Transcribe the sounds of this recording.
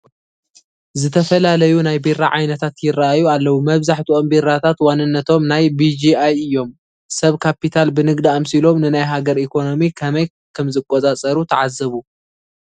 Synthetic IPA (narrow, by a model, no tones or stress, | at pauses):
zɨt̪ʰɐfɐlalɐjunajbiraʕajnɐt̪ʰat̪jɪraʔajualːɐwumɐβzaħt̪ʰuʔombirat̪ʰat̪wanɨnːɐt̪ʰo̞mnajbid͡ʒiajɨjːo̞m | sɐβkʰapit̪ʰalbɨnɨɡd̪iamsilo̞mnɨnajɦaɡɐɾikʰo̞no̞mikʰɐmɐj | kʰɐmzɨkʼːot͡sʼat͡sʼɐɾut̪ʰɐʕazɐβu